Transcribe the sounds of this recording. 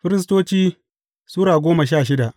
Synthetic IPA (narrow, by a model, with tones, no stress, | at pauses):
ɸɪ˦ɾɪ˦s̬toː˦t͡ʃiː˦ | suː˦ɾaː˨ɡʷoː˦ma˨ʃ̬aː˦˨ʃɪ˦da˨ʔ